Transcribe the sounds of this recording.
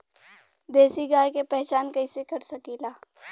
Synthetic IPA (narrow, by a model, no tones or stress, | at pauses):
d̪eːsiɡaːjkepɛɦt͡ʃaːnkɐɪsekɐɾsɐkiːlaː